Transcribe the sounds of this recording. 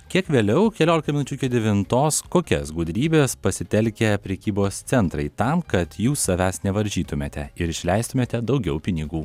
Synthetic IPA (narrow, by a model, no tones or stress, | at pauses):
kʲiɛkʋʲeːlʲɛʊkʲɛlʲoːlʲɪk̪ɐmʲɪnʊt͡ʃʲʊɪkʲid̪ʲɛʋʲɪnt̪oːskoːkʲɛ̰sɡud̪ʲɾʲiːbʲeːspɐsʲɪt̪ʲɛlʲkʲɛpʲɾʲɛkʲiːboːst̪sʲɛnt̪ɾɐɪt̪ɑmkɐt̪juːsːɐʋʲæːsnʲɛʋɐɾʲʒʲiːt̪ʊmʲeːt̪ʲɛɪɾɪʃʲlʲɛɪst̪ʊmʲeːt̪ʲɛd̪ɒʊɡʲɛʊpʲɪnʲɪɡuː